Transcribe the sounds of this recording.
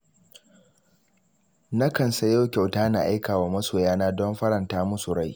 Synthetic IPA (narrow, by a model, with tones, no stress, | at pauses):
na˦kɐ˨nsɐ˦ja˦wkʲa˨wtaː˦na˨ʔa˦jkaː˨waː˦mɐ˦soː˨jaː˦naː˦dɔ˦mɸɐ˦ɾɐ˨ntaː˦mʊ˦su˨ɽa˦j